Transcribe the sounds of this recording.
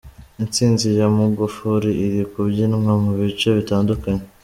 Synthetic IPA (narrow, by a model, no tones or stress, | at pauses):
int͡siːnzijamuɡufuɾiiɾikubɟinmamuβit͡ʃoβitaːndukaɲe